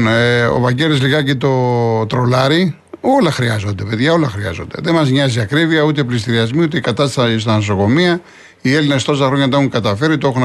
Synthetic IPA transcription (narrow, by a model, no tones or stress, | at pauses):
neo̰vɐɟelesliɣɐcet̪o̞t̪ɾo̞lɐɾi | o̞lɐxɾiɐzo̞nd̪e̞peðʝɐo̞lɐxɾiɐ̰zo̞nd̪e̞̰ðe̞mɐzɲɐziɐkɾiviɐut̪eplist̪iɾiɐzmiut̪ekɐt̪ɐst̪sst̪ɐnos̬o̞ko̞miɐ | ie̞linest̪o̞s̬ɐxɾo̞ɲɐt̪uŋkɐt̪ɐfe̞ɾit̪oexun